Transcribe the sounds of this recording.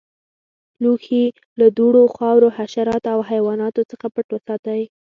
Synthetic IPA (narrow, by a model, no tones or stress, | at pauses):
luxi | lad̪oɽoxɑwɾohaʃaɾɑt̪oawɦajwɑnɑt̪ot͡səxapəʈwəsɑt̪awj